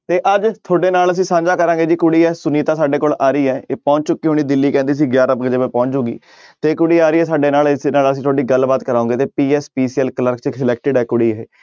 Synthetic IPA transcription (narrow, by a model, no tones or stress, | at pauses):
t̪eːʔəd͡ʒt̪ʰoːɖeːnaːləs̬ĩːsãːd͡ʒaːkəɾãːɡeːd͡ʒiːkʊɽiːɛːsʊniːt̪ãːsaːɖeːkoːlaːɾəiːɛːpɔ̃ːɲt͡ʃt͡ʃʊkːiːɦoːɽ̃iːd̪ɪlːiːkɛ̃ːnd̪iːs̬iːɡjaːɾəpɡəd͡ʒeːmɛ̃ːpɔ̃ːɲt͡ʃoːɡḭː | t̪eːkʊɽiːaːɾiːɛːsaːɖeːnaːlɪsnaːləs̬ĩːt̪ʰoːɖiːɡəlbaːt̪kəɾaːʊõːŋɡeːt̪eːpiːɛːspiːsɛlkələɾkt͡ʃəsɪlɛːk̚ʈɪɖɛːkʊɽiːɛː